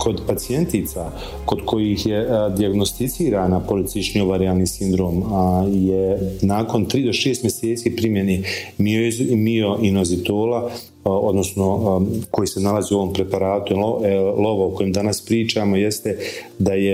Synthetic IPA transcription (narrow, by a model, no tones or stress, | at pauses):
kʰo̞d̪pat̪sije̞nt̪it̪sa | ko̞d̪kʰo̞jihjed̪iaɡno̞st̪it̪siːɾaːnapoɾit̪siʃɲioʋaɾiaːlniːsind̪ɾoːmjenaːko̞nt̪ɾiːd̪o̞ʃeːst̪mje̞seːt̪siːpɾimje̞neːmiomio̞ʔinozit̪oːla | o̞d̪no̞sno̞ko̞jiːse̞nalaziːuo̞ʋo̞ːmpɾe̞paɾaːt̪ulo̞ʋaoko̞jemd̪anaspɾiːt͡ʃaːmo̞jest̪e | d̪aje